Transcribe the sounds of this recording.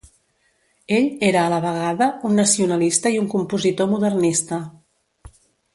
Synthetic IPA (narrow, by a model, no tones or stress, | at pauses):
eʎeɾəːləβəɣaðəunːəsiunəlist̪əiuŋkumpuzit̪omuðərnist̪ə